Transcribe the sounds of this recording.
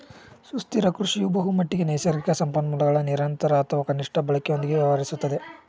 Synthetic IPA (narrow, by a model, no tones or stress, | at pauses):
sust̪iɾɐkɾuʂijubɐɦumɐʈːiɡe̞neːsɐɾikɐsɐmpɐnːɐmulɐɡɐɭɐniɾɐnt̪ɐɾɐːt̪ʰɐʋɐkɐniʂʈʰɐbɐɭɐkejo̞nd̪iɡe̞ʋjɐʋɐɾisut̪ːɐd̪e̞